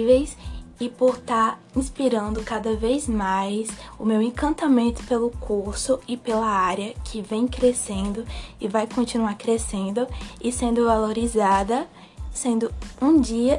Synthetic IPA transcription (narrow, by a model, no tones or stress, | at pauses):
vejsɪpoɾt̪aɾ | ĩspiɾɐ̃nd̪ʊkad̪ɐvejzmajsʊmewẽkɐ̃nt̪amẽnt̪ʊ̥pelʊkʰuɾsʊɪpelɐaɾɐkʰɪvẽj̃kɾesẽnd̪ʊɪvajkõnt͡ʃinuaɾkɾesẽnd̪ʊɪsẽnd̪ʊvaloɾizad̪ɐ | sẽnd̪ʊũd͡ʒiɐ